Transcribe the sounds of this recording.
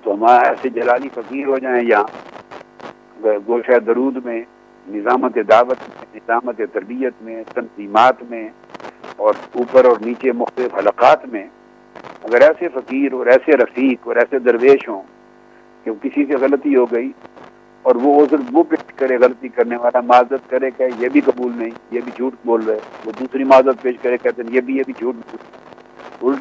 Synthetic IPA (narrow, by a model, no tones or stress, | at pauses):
t̪oɦɐmaːɾaɛːsed͡ʒɐlaːlifɐkiːɾɦod͡ʒaːẽjaã | ɐɡəɾɡoːʃɛːd̪ɐɾuːd̪mẽ | nɪzaːmət̪ed̪aːʋət̪mẽnɪzaːmət̪et̪ɐɾbijət̪mẽt̪ɐnziːmaːt̪mẽ | ɔːɾuːpəɾɔːɾniːt͡ʃemʊxt̪əlɪfɦɐləqaːt̪mẽ | ɐɡəɾɛːsefɐkiːɾɦɔːɾɛːseɾɐfiːkɔːɾɛːsed̪ɐɾʋeːʃɦõː | kekɪsiseɣɐlət̪iɦoɡɐiː | ɔːɾʋoʊsɾʋopeːʃkɐɾeɣɐlt̪ikɐɾneʋaːlamaːzət̪kɐɾekaɛjebʱiqɐbuːlnɐɦĩjebʱid͡ʒʱuːʈboːlɾɐeʋod̪uːsɾimaːzət̪̚peːʃkɐɾẽkɛːt̪ẽjebʱijebʱid͡ʒʱuːʈb | ʊl